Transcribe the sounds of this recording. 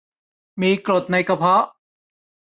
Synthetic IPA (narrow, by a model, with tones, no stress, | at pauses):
miː˧klo˨˩t̪̚na˧jka˧pʰɔ˦˥ʔ